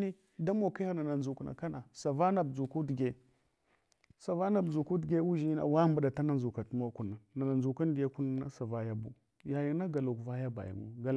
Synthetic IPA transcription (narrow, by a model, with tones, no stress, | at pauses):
ni˦ | da˦mo˨ka˦a˦na˨na˨n˨d͡ʒu˨kna̰˨ka˦na˨sa˨va˦na˨bd͡zu˨ku˦dɡe˨ | sa˨va˦na˨bd͡zu˨ku˦dɡe˦u˦ʒi˦na̰˨wa˦mba˨ɗa˨ta˦na˦nzu˨ka˨tmo˦ku˨nːa˨na˨na˨nd͡ʒu˨ka˦n˦di˨ja˦ku˦n˦na˦sa˨va˦ja˦bṵ˦ | ja˨ji˨˦na˦ɡa˨lo˨kva˦ja˦ba̰˨ja̰˨mṵ˦ɡa˦˨